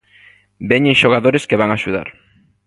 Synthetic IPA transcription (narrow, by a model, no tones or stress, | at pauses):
beɲeʃoɣ̞aðoɾeskeβaŋaʃuða̰ɾ